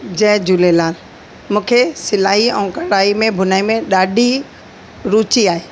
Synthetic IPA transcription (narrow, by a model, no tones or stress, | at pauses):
d͡ʑɛ̃ɦd͡ʑulelaːl | mũːkʰesɪlaːɦiɛ̃ːkɐɽaːimẽbʱʊnaːimẽɗaːɖʱi | ɾuːt͡ɕiaːɦeː